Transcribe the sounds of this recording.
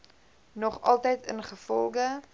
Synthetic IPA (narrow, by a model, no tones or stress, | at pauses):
nɔχɑlˠtɛjtənχəfɔlˠɡə